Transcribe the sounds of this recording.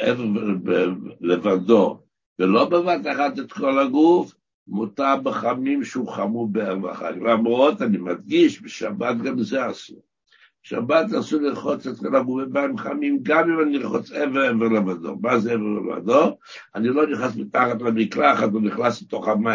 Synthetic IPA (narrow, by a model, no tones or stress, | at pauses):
ʔeveʁebelevado̞ | velo̞bevat̪aχat̪et̪ko̞laɡuf | mutabeχamimʃeuχamubeaʁva̰χa̰tlamʁo̞t̪animad̪ɡiʃbeʃabat̪̚ɡamzeasu | ʃa̰bat̪asuliʁχot͡set̪kolaɡufibaemχamimɡamimaniʁχot͡seveʁeveʁlevad̪o̞̰mazeeveʁlḛva̰do̞anilo̞niχnasmit̪aχat̪lamiklaχat̪voniχnasbet̪o̞χama